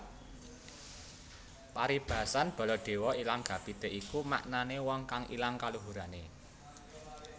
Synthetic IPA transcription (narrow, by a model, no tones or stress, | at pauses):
paɾib̥a̤sanb̥ɔ̤lɔɖ̥e̤wɔilaŋɡ̥ä̤b̥i̤t̪eʔikuma̰ʔnanewɔŋkaŋʔḭlaŋkaluɦuɾane